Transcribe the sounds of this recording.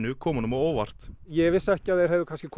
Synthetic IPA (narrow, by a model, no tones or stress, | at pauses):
nʏkʰɔːmanʏmaoːwvar̥t̪jɛvɪsɛhcɪaðɛɾ̥ɛvðʏkʰanscɪkʰ